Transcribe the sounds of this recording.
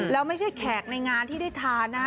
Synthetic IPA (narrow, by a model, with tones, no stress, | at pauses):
lɛ˦˥wma˥˩jt͡ɕʰa˥˩jkʰɛː˨˩k̚na˧jŋaː˧nt̪ʰiː˥˩da˥˩jt̪ʰaː˧nːa˦˥